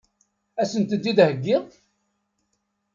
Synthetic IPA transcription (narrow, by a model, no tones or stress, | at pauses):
æsənt̪əd̪ːid̪həɡːɪʁ